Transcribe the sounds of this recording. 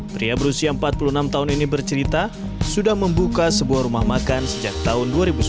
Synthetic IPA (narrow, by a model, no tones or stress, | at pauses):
pɾiabəɾusiaəmpat̪̚pulunamt̪auninibərt͡ʃəɾit̪a | sudahməmbukasəbuahɾumahmakansəd͡ʒak̚t̪aɦʊnduaɾibus